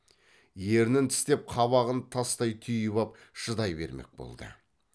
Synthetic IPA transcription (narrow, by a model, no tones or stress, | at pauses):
je̞ɾnɪnt̪ʰɪ̥st̪e̞p̚qʰɑβɑʁənt̪ʰɑst̪ɑjt̪ʰʏjβɑp̚ | ʒ̥əd̪ɑjbe̞̰ɾme̞̰k̚bo̰lˠd̪ə̰